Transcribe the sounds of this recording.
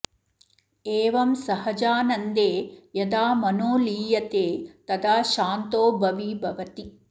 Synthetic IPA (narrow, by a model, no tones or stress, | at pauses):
eːʋɐmsɐɦɐd͡ʒaːnɐnd̪eːjɐd̪aːmɐnoːliːjɐt̪eːt̪ɐd̪aːʃaːnt̪oːbʱɐʋibʱɐʋɐt̪i